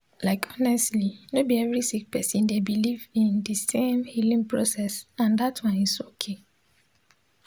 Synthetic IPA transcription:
laɪkʰɔnɛstlinobiɛvɹisik̚pɛsĩndebilivĩndisẽmhilĩŋpɹosɛsãndatʰwãnisokʰe

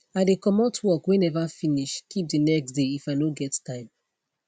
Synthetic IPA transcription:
adekɔmɔtʰwɔkwɛ̃nɛvafiniʃkip̚dinɛksdeifaɪnoɡɛttaɪb

